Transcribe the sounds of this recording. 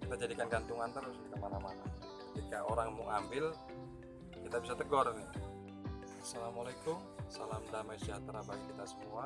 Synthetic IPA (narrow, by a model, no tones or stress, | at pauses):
kit̪ad͡ʒadikanɡant̪uŋant̪əɾʊskit̪amanamana | kət̪ikaʔoɾaŋmʊ̰ŋʔambɪl | kit̪abisat̪əɡɔrni | salamalajkʊm | salamdamajsiat̪əɾabakit̪asəmua